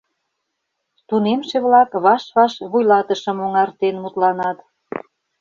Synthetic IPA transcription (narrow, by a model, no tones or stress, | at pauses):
t̪unemʃeβlɑkβɑʃβɑʃβujlɑt̪ə̆ʃə̆moŋɑrt̪enmut̪lɑnɑt̪